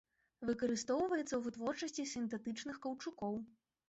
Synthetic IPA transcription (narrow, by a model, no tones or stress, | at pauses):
vɨkɐɾɨst̪ɔwvɐjɛt̪sːɐwvɨt̪vɔrt͡ʂɐsʲt͡sʲisʲint̪ɛt̪ɨt͡ʂn̪ɨxkɐwt͡ʂukɔw